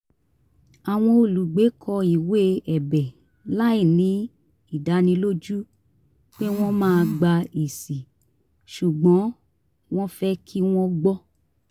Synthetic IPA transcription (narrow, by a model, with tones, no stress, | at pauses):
a˨w̃ɔ̃˧o˨lu˨ɡ͡be˨˦kʰɔ˧i˨we˦ɛ˨bɛ˨ | la˦i˦˨nĩ˨˦ | i˦˨da˨˦nĩ˧lo˦d͡ʒu˦ | k͡pe˦w̃ɔ̃˦mãː˦˧ɡ͡ba˧i˨si˨ | ʃu˨ɡ͡bɔ̃˨˦ | w̃ɔ̃˦fɛ˦kʰi˦w̃ɔ̃˦ɡ͡bɔ˦